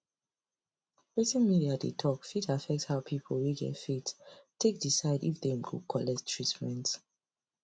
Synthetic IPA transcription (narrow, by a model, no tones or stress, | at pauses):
ɹitĩnmiadḛtʰɔkfitafɛk̚tshaʊpʰipʰlwiɡɛ̰tfittʰːek̚d̥isaɪdḭfðẽmɡṵkʰɔlɛstʰɹitmɛ̃nt